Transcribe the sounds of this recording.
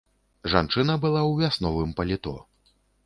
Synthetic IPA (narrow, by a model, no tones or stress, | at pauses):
ʐa̰nt͡ʂɨnɐbɨlˠawvʲasnɔvɨmpɐlʲit̪ɔ̰